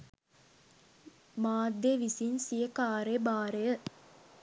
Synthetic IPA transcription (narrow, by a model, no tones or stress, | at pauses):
maːd̪jeʋisinsijəkaːɾebaːɾejə